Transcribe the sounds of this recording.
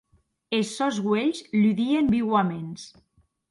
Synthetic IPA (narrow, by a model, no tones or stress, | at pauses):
esːɔzɣweʎzʎyðiembiwamens